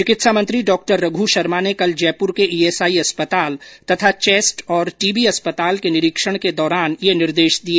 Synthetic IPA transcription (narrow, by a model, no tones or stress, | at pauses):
t͡ʃɪkɪt̪ʃamɐ̃nt̪ɾiɖɔːk̚ʈəɾːɐɡʱuʃɐɾmanekɐld͡ʒɛːpʊɾkeʔiːeːsaːiɐspət̪aːlt̪ɐt̪ʰat͡ʃeːsʈɔːɾʈiːbiɐspət̪aːlkenɪɾɪkʃəɽ̃ked̪ɔːɾaːnjenɪɾd̪eːʃd̪ie